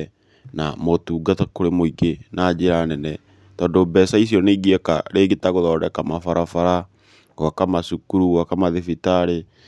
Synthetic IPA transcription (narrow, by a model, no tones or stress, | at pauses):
namotuːɡatakoɾemoiɡenad͡ʑeɾanɛnɛ | tɔːndobɛsaisiɔneiɣiɛka̰ɾeːɡetaɣoðɔːdɛkamafaɾafaɾa | wakamasukuɾuɣwakamaðefitaɾe